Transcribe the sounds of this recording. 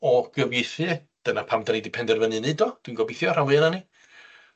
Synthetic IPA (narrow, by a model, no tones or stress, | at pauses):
ɔɡ̥əvjɪθɨ | d̥ənapʰamdanidɪpʰɛndɛrvənɨnɨdɔd̥winɡɔbɪθjɔr̥awɨənani